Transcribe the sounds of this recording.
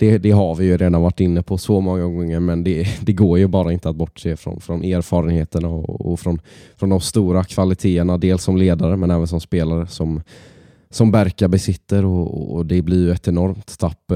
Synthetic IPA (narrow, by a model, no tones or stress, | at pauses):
d̪̥ɛd̪ɛɦaɾvɪjɵɾeːd̪anvaʈːɪnːəpʰɔsɔmɔŋːaɡɔŋːəɾmɛnd̪ɛd̪ɛɡoːɾjɵbɑːɾaɪnt̪əat̪̚bɔʈːʂeːfɾɔ̰nfɾɔneːɾfɑːɾənheːt̪əɳaɔ̰ːfɾɔnfɾɔnd̪ɔmst̪uːɾakʰv̥alɪt̪ʰeːəɳad̪eːlsːɔmleːd̪aɾəmɛnɛːvəns̬ɔmspeːlaɾəsɔm | sɔmvæɾkaɾbɛsɪt̪ːəɾɔɔ̰ɔd̪ɛblɪɾjɵɛt̪ɛnɔɾmt̪t̪ʰːapː